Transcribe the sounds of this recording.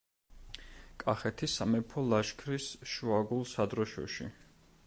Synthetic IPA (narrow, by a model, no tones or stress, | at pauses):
kʼaχɛt̪ʰisamɛpʰɔlaʃkʰɾisʃuaɡulˠsad̪ɾɔʃɔ̰ʃḭ